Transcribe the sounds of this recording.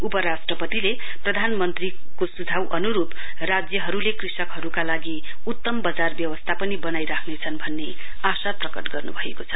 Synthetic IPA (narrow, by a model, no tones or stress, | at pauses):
upʌɾasʈrʌpʌt̪ile | prʌd̪ʱanmʌnt̪ri | kosud͡zʱawʔʌnuɾup | rad͡zjʌɦʌɾulekrisʌkɦʌɾukalaɡi | ut̪ːʌmbʌd͡zarbjʌwʌst̪ʰapʌnibʌnajɾakʰnet͡sʰʌnbʱʌnːe | asaprʌkʌʈɡʌrnubʱʌekot͡sʰʌ